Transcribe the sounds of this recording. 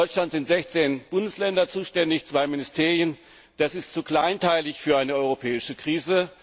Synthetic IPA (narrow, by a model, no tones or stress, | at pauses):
ɔʏt͡ʃlantz̥ɪntz̥ɛçt͡seːnb̥ʊndəslɛndɐt͡suːʃtɛndɪçt͡sv̥aɪmɪnɪstʰeːʁjən | d̥asɪstt͡sukl̥aɪntʰaɪlɪçfyːɐaɪnəɔʏʁopʰɛːɪʃəkʁ̥iːzə